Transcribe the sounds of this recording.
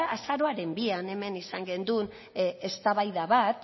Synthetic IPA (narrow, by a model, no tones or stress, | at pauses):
aʔasaɾo̞aɾe̞mbiane̞me̞nisaŋɡe̞nd̪un | est̪aβajðaβat̪